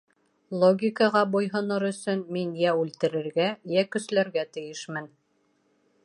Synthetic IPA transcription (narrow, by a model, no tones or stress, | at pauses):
lˠoɡʲikɑʁɑbujɦɤ̆nɤɾɵ̆sɵnminjæʉlt̪ɘ̆ɾɘ̆ɾɡæjækɵ̆slæɾɡæt̪ɘ̆jɘʃmɘn